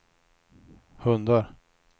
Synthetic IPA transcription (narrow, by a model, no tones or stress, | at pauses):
hɵnd̪aɾ